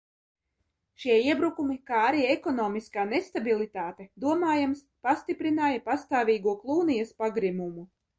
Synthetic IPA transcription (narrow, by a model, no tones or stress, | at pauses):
ʃiɛiɛbɾukumikaːaɾiːekɔnɔːmiskaːnest̪abilˠit̪aːt̪ed̪uɔmaːjamspast̪ipɾinaːjɐpast̪aːvʲiːɡuɔklˠuːnijɐspaɡɾimumu